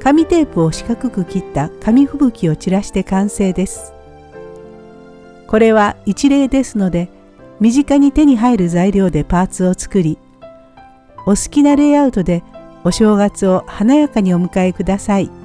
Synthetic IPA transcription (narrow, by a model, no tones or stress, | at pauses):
kamʲit̪e̞ːpɯ̟o̞ɕi̥kakɯ̟kɯ̟kʲit̪ːakamʲiɸɯ̟bɯ̟kʲio̞t͡ɕiɾaɕi̥t̪e̞kãɰ̃se̞ːd̪e̞sɨ̥ | ko̞ɾe̞βait͡ɕiɾe̞ːd̪e̞sɨno̞d̪e̞ | mʲiʑikaɲ̟it̪e̞ɲ̟iɦaiɾɯ̟zaiɾʲjo̞ːd̪e̞paːt͡sɨo̞t͡sɨ̥kɯ̟ɾʲi | o̞sɨ̥kʲinaɾe̞ːaɯ̟t̪o̞d̪e̞o̞ɕo̞ːɡat͡sɨo̞hanajakaɲ̟io̞mɯ̟kae̞kɯd̪asai